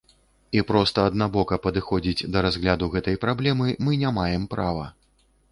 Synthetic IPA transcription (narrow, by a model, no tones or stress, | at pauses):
ipɾɔst̪ɐːd̪̚nabɔkɐpɐd̪ɨxɔd͡zʲid͡zʲd̪ɐɾazɣlʲad̪uɣɛt̪ɐjpɾablʲɛmɨmɨnʲamajɛmpɾavɐ